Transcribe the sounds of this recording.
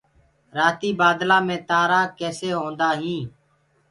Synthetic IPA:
ɾaːt̪iːbaːd̪lãːmẽːt̪aːɾaːkeːseːɦõːnd̪aːɦĩː

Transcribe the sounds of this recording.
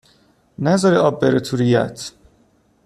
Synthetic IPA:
næzɒɾiɒːbːeɾet̪ʰuɾijæ̰t̪ʰ

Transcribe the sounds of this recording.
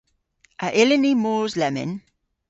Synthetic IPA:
ʔəʔɛlənimɔːzlɛmə̰n

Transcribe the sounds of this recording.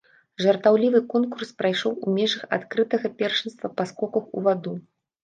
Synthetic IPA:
ʐɐrt̪awlʲivɨkɔnkurspɾajʂɔwumʲɛʐɐxa̰t̪kɾɨt̪ɐɣɐpʲɛrʂɨnst̪vɐpɐskɔkɐxṵvad̪u

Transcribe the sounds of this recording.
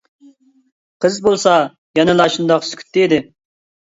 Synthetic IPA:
qʰəzbolˠsɑ | jɛnɪlˠɑʃund̪ɑqskʲy̥t̪ːɪid̪ɪ

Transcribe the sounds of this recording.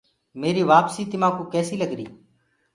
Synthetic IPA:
meːɾiːʋaːpsiːt̪ɪmãːkũːkɛːsiːləɡɾḭː

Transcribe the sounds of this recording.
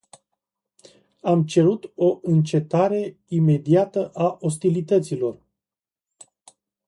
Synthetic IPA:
amt͡ʃe̞ɾut̪o̞ʔɨnt͡ʃe̞t̪aɾe̞ime̞d̪iat̪əʔaʔo̞s̬t̪ilit̪ət̪silo̞r

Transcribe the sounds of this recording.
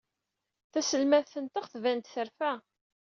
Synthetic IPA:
θæsəlmæðθənt̪əχθvænt̪θəɾfæ

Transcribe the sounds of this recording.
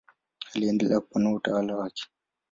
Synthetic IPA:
aliɛndɛlakpːanautawalawaːkɛ̥

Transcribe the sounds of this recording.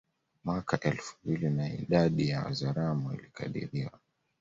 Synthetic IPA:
mwakaʔɛlfumbilinaḭɗaɗijawa̰zaɾamuḭlikʰa̰ɗḭɾiwa

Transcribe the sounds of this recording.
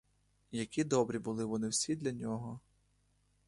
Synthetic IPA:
jɐkʲid̪ɔbɾʲibʊlˠɪʋɔnɪwsʲid̪lʲɐnʲɔɦɔ

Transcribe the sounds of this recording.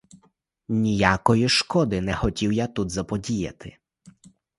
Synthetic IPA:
nʲijakɔjiʃkɔd̪ɪnɛxɔtʲiwjat̪ud̪zɐpɔdʲijɐ̰t̪ɪ

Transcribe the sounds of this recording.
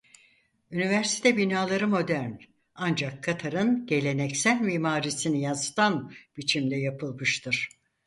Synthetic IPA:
ynivæɾsi̥t̪ʰɛbinaːlˠaɾɯmo̞d̪æɾn | and͡ʒakʰːat̪ʰaɾɯnɟe̞lʲe̞nɛcsælʲmiːmaːɾisinijazɯt̪ʰanb̥it͡ʃʰimd̪ʲɛjapʰɯlˠmɯʃt̪ʰɯɾ̥

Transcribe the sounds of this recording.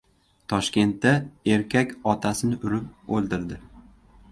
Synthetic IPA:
t̪ʰɒʃkʲe̞nt̪ːae̞ɾkʲakʲɒt̪ʰasɪnɪʔʊɾɪp̚olˠd̪ɪɾd̪ɪ

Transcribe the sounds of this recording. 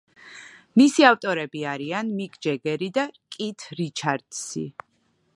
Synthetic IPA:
misiaft̪ʼɔɾɛbiaɾianmikʼd͡ʒɛɡɛɾid̪akʼit̪ʰɾit͡ʃʰaɾd̪̥sḭ

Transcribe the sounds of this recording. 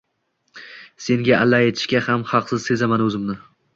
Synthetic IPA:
se̞ŋɡʲaʔalːaet̪ʰɪ̥ʃkʲahamhɑqsɪz̥se̞zamanɵzɪmnɪ

